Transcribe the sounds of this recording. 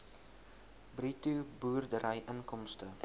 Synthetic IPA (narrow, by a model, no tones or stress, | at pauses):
britubuːrdəɾəjʔənkɔmstə